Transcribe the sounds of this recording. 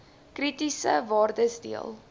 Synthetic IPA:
kritisə̰vɑːrdəsdiəlˠ

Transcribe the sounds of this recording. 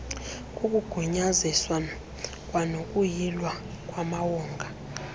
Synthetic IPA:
kʼuk̬ʼuɡ̥ʱuɲaziswa | k̬ʼwanok̬ʼujilwa | k̬ʼwamawɔːŋɡʱa

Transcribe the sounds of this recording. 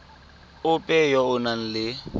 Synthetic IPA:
ʊpʼɛjɔʊnan̩lɪ

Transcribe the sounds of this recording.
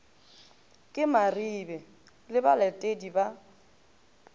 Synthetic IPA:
kʼɪmaribɛ | lɪbalɛtʼediba

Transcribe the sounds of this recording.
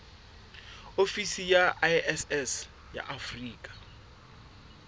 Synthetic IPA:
ofisijaʔaɛsɛs | ja̰ʔafriːkʼḁ

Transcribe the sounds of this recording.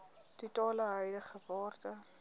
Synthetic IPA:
tutɑːləɦəjdəχəvɑːrtə

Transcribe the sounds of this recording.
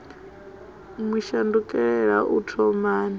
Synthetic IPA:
mwiʃandukʼɛɺɛɺa̰ʔutʰɔmaːna

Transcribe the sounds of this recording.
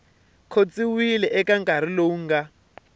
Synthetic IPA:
kʰot͡siwilɛʔɛkaŋkaɾ̤ilouŋɡa

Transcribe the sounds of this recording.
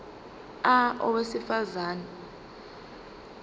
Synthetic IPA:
aɔ̰wesifazaːna

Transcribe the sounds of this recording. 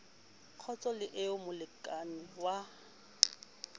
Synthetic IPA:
q͡χʰɔt͡sʼɔlɪʔɪʊmʊlɪkʼanɪwa

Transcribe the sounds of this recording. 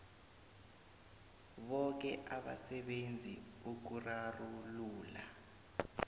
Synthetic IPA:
ɓɔk̬ɛʔaɓa̰sɛɓend͡zʱiuk̬uraruluːla̰

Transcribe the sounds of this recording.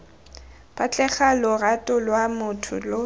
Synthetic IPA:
b̥ʼat͡ɬʼɛχalʊratʼʊlwamʊtʰʊ̰lʊ

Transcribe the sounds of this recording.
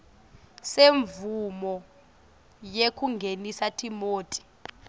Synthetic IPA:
seɱvumɔ | jekʰuŋɡʱenisatʰʼimoːtʼi̥

